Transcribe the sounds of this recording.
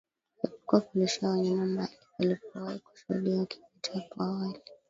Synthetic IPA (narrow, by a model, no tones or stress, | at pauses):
hipɔ̥kuakuliʃaɔɲanambalialipɔwaiku̥ʃṵhṵɗiakʰi̥pitaakwaːwali